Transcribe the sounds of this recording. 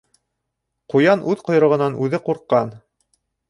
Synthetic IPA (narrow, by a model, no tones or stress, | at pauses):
qujɑnʔʉðqŏj̆ɾɤ̆ʁɤ̆nɑnʔʉðɘquɾqːɑn